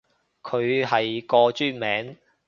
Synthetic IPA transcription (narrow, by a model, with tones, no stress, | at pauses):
kʰɵ˨˧ɥhɐ˨jkɔː˧t͡ʃyː˥nmɛː˨˥ŋ